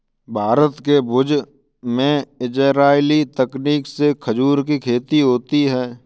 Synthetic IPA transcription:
bʱaːɾət̪kebʊd͡ʒ | mẽɪd͡ʒəɾaːɪlit̪əkniːksekʰəd͡ʒuːɾkikʰeːt̪iɦoːt̪iɦɛː

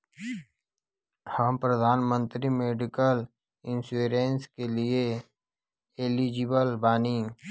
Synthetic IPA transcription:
həmpɾəd̪ʱaːnmə̃nt̪ɾimeːɖɪkəl | ɪ̃nsuɾeːnskelie | elid͡ʒɪbəlbaːni

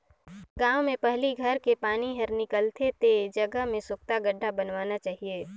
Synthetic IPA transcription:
ɡãːwmẽpɛɦliɡʱəɾkepaːniɦɐɾnɪkəlt̪ʰet̪ed͡ʒəɡəɦmẽsʊk̚t̪aɡəɖʱːabənwaːnat͡ʃaːɦieː

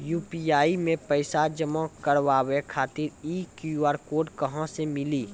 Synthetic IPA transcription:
juːpiaːimẽpəɪsad͡ʒəmakəɾʋaːwekʰaːt̪ɪɾikuaːɾkoːɖkəɦãsemɪliː

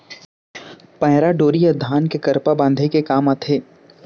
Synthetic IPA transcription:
pɐ̃ɦɪɾaɖoːɾiəd̪ʱaːnkekɐɾpabãnd̪ʱekekaːmɐt̪ʰeː

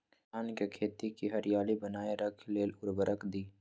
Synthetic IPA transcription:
aːnkekʰeːt̪ikiɦəɾɪjaːlibənaːeɾəkʰleːlʊɾbəɾəkʰd̪iː

